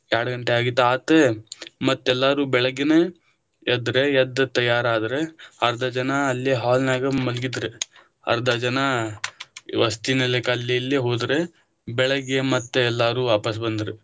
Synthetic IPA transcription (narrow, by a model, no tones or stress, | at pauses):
jaːɽɐɡɐɳʈeaːɡit̪ːaːt̪emɐt̪ːɛlːaːɾuːbɛɭɐɡːeneː | ɐd̪ɾejɐd̪ɐt̪ɐjaːɾaːd̪ɐɾeɐɾd̪ʱɐd͡ʒɐnɐːlːiɦaːlnaːɡɐmɐlɡid̪ɾe | ɐ̰ɾɐd̪ɐd͡ʒɐnɐ | ʋɐst̪inelekɐlːiɐlːeɦoːd̪ɾe̞ | bɛɭɐɡːemɐt̪ːeɛlːaːɾuːʋaːpɐsbɐnd̪ɐɾe